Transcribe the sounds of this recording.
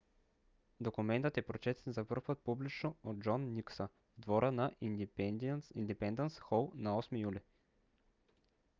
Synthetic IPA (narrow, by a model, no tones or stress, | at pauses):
d̪okumɛnt̪ət̪ɛpɾot͡ʃɛt̪ɛnzɐpɤɾfpət̪̚publit͡ʃnood̪̚d͡ʒɔnːiksə | vd̪vɔɾəna | ḭnd̪ɛpɛnd̪ənsxolˠnaɔsmijulʲi